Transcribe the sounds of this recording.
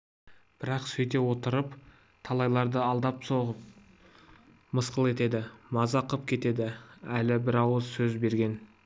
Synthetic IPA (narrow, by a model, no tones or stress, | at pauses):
b̥ɪɾɑqsɵjt̪e̞wo̞t̪əɾəp | t̪ʰɑlˠɑjlˠɑɾd̪əɑlˠd̪ɑpso̞ʁəp̚ | məsqəlˠe̞t̪e̞d̪ɪmɑzɑqʰəp̚kʲʰe̞t̪e̞d̪ɪælɪbɪɾɑwəzsɵzbe̞ɾɡʲe̞n